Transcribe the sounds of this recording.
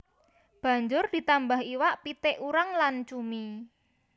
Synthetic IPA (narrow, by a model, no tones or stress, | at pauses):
b̥ä̤ɲd͡ʒʊrd̪̥i̤t̪ambaɦiwaʔpit̪ɪʔuɾaŋlant͡ʃumi